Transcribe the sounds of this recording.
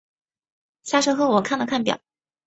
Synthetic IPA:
ɕja˥˩ʂɤ˥xɤ˧˥wɔ˨˩kʰa˥˩nd̪ə˩kʰa˥˩npjɑ̰˨˩˦

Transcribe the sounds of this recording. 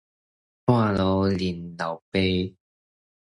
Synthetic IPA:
waː˥˧˨lo˨˧wli˨˩nla˨˩wpe˧˦

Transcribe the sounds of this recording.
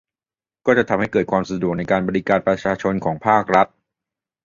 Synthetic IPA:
kɔː˥˩t͡ɕa˨˩t̪ʰa˧mha˥˩jkɤː˨˩t̪̚kʰwaː˧msa˧du˨˩k̚na˧jkaː˧nbɔː˧ɾi˦˥kaː˧npɾa˧t͡ɕʰaː˧t͡ɕʰo˧nkʰɔː˩˦ŋpʰaː˥˩k̚ɾa˦˥t̪̚

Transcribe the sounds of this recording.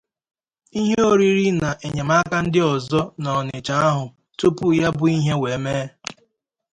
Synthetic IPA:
i˦ɦe˦o˦ɾi˦ɾi˦na˨ʔe˨ɲe˨ma˦ka˦n̩˦dɪ˦ɔ˨zɔ˦nɔ˨ɔ˨ne˨t͡ʃa˦a˦ɦʊ˨ | tu˦pu˦ja˦bʊ˨i˦ɦe˦we˨˦meː˦

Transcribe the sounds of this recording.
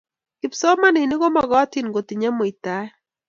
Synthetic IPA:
ɪ˨psɔ˦ma˦nɪ˨nɪ˦ɡɔ˦ma˨ɡɔ˦ti˦nɡo˨t̪ɪ˨ɲa˦mo˨i˨t̪a˦ɛ˦

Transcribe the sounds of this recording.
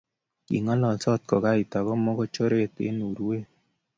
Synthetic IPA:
kḭ˨ŋɔ˦lɔ˨sɔ˦t̪̚kɔ˨ka˦i˨ta˨ɣɔ˦mɔ˦ɡo˦t͡ʃo˦ɾe˦˨t̪ḛ˦nu˨ɾwe˦

